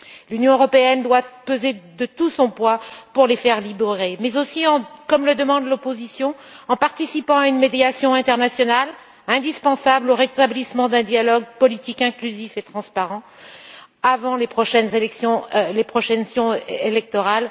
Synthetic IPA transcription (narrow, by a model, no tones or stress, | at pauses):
lynjɔ̃øʁɔpeɛnd̪wapøzed̪ət̪usɔ̃pwapuʁlefɛʁlibeʁemɛzosiɑ̃kɔmləd̪əmɑ̃d̪lɔpozisjɔ̃ | ɑ̃paʁt̪isipɑ̃aynmed̪jasjɔ̃ɛ̃t̪ɛʁnasjɔnal | ɛ̃d̪ispɑ̃sabloʁet̪ablismɑ̃d̪ɛ̃d̪jalɔɡ̚pɔlit̪ikɛ̃klyzifet̪χɑ̃spaʁɑ̃ | avɑ̃lepχɔʃɛnzelɛksjɔ̃lepχɔʃɛnsjɔ̃elɛk̚t̪ɔʁal